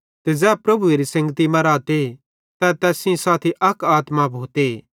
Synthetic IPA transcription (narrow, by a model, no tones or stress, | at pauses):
t̪ɛd͡zɛːpɾɐbueɾisɐ̃ŋɡət̪imɐɾaːt̪e | t̪ãt̪ɛːsĩsaːt̪ʰiʔɐkaːt̪mabʱoːt̪e